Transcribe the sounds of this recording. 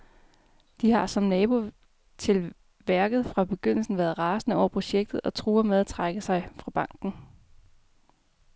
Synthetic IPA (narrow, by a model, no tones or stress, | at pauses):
d̥ihɑ̈sɒ̽mnɛːb̥o̝ | t͡sʰe̝l | ʋæɐɡ̥ð̞̩ˠfʁɑ̈b̥e̝ɡ̥øn̰l̩sn̩ʋæːɐðˠʁɑ̈ːsn̩əɒ̰ʊ̰ɐpʰʁo̝ɕeɡ̥̚d̥ð̞̩ˠɒ̽t͡sʰʁuːɐmeðˠæt͡sʰʁɑɡ̥əsɑ̈ɪfʁɑ̈b̥ɑ̈ŋ̰ɡ̥n̩